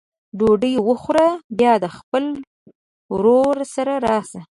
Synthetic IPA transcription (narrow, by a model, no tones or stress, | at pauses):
ɖoɖəjwəxɾabjɑd̪əxpəl | ɾoɾsaɾaɾɑsa